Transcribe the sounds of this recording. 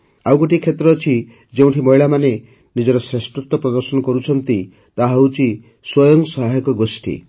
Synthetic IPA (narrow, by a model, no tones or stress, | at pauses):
awkɔʈikʰet̪ɾɔːt͡ʃʰi | d͡ʒeũʈʰimɔɦiɭamane | nid͡ʒɔɾɔsɾesʈɾut̪ːɔpɾɔd̪ɔɾsɔnɔkɔɾut͡ʃʰɔnt̪i | t̪aɦwt͡ʃi | swɔjɔŋsɔɦajɔkɔɡosʈʰḭ